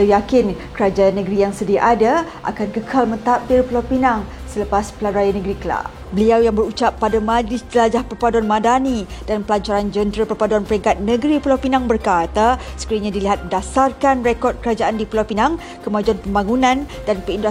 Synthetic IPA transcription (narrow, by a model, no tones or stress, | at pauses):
ajakɪnkəɾad͡ʒanəɡɾijaŋsədiaʔadaʔa̰kankəkʰalmə̃nt̪ap̚t̪ɪrpəlawpinaŋ | sələpaspəlaɾajanəɡɾikəla̰ | bəliawjaŋbəɾut͡ʃapːadamadid͡ʒəlad͡ʒahpərpaduanmãdanidanpəlaɲt͡ʃaɾand͡ʒənt̪ɾapərpaduanpəɾiŋkat̪̚nə̃ɡɾipəlawpinãŋbərkat̪asə̥kəɾiɲãdiliɦat̪̚məndasarkanrekɔd̚kəɾad͡ʒaʔandipəlawpinaŋ | kəmad͡ʒuanpəmbaŋunãndanpəindua